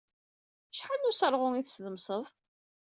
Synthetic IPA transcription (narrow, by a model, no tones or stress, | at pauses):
ʃħalnusəɾˤʁʊŋiθsðəmsəðˤ